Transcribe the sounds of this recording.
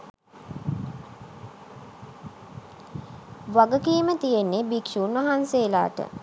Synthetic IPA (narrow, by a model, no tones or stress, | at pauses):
ʋaɡəkiːmət̪ijenːebikʃuːnʋaɦanseːla̰ːʈə̰